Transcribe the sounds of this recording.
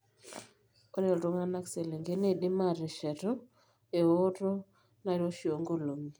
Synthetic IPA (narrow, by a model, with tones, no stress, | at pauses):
o˦ɾe˦˨ɾo˦ŋa˦na˦kse˨le˨ŋɡe˦ne˦˨dɪ˦ma˦˨ɾɛ˨ʃɛ˨ɾɔ˦ | e˨o˦ɾɔ˦ | na˨ɾo˦ʃo˨ŋɡo˦lo˨mi˨